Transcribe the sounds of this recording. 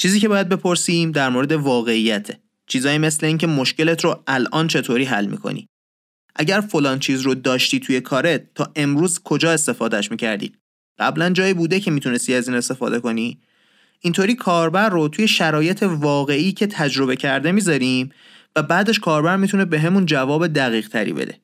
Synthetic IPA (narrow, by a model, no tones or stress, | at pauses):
t͡ʃʰiːziːce̞bɒːjæd̪̚be̞pʰo̞ɾsiːmd̪æɾmoɾe̞d̪e̞vɒːɣe̞ijæt̪ʰe̥ | t͡ʃʰiːzɒːjime̞sle̞iːŋce̞mo̞ʃce̞let̪ʰɾoælʔɒːnt͡ʃʰe̞t̪ʰoːɾiːɦæ̰lmḭkʰo̰nḭː | ʔæɟæɾfolɒːnt͡ʃʰiːzɾod̪ɒːʃt̪iːt̪ʰuje̞kʰɒːɾet̪ʰːɒːʔe̞mɾuːzkʰo̞d͡ʒɒːe̞st̪e̞fɒːd̪æʃmiːcʰæɾd̪ḭː | ɢ̥æblænd͡ʒɒːjiːbuːd̪e̞cʰe̞miːt̪ʰune̞st̪iæziːne̞st̪e̞fɒ̰ːd̪e̞ko̞ni | int̪ʰoːɾiːkʰɒːɾbæɾːot̪ʰuje̞ʃæɾɒːje̞t̪ʰe̞vɒːɣe̞iːcʰe̞t̪ʰæd͡ʒɾo̞be̞cʰæɾd̪e̞miːzɒɾiːm | væbæːd̪e̞ʃkʰɒːɾbæɾmit̪ʰunebe̞ɦemund͡ʒævɒːbe̞d̪æɣiːɣt̪ʰæɾḭːbḛd̪e̞̰